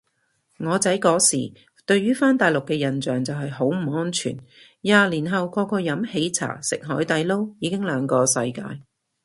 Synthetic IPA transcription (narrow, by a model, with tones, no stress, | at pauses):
ŋɔː˨˧t͡sɐ˨˥jkɔː˨˥sḭː˨˩ | t̪ɵ˧ɥɥyː˥faː˥nt̪aː˨jlʊ˨kːɛː˧jɐ˨˩nt͡ʃœː˨ŋt͡sɐ˨wɦɐ˨jɦo˨˥wm̩˨˩ŋɔː˥nt͡ʃʰy̰ː˨˩n | jaː˨˧liː˨˩nɦɐ˨wkɔː˧kɔː˧jɐ˨˥mhe˨˥jt͡sʰa̰ː˨˩sɪ˨k̚ɦɔː˨˥jt̪ɐ˨˧jlo˥wjiː˨˧kɪ˥ŋlœː˨˧ŋkɔː˧sɐ˧jkaː˧j